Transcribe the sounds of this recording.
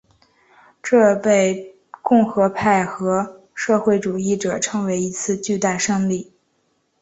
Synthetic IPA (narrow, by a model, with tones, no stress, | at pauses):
ʈ͡ʂɤ˥˧pe˥˧ɪ | kʊ˥˩ŋxɤ˧˥pʰa˥˩ɪxɤ˧˥ | ʂɤ˥˧xwe˥˩ɪʈ͡ʂu˨˩i˥˩ʈ͡ʂɤ˨˩ʈ͡ʂʰɤ˧˥ŋwe˧˥ɪi˧˥t͡sʰɹ̩˥˧t͡ɕy˥˧t̪a˥˩ʂɤ˥˧ŋli˥˩